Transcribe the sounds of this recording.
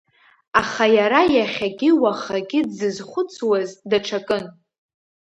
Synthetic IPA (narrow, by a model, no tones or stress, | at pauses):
aχajaɾajaχʲaɡʲɪwaχaɡʲɪdzɨzχʷʊt͡sʰwazdaʈ͡ʂʰakʼɨn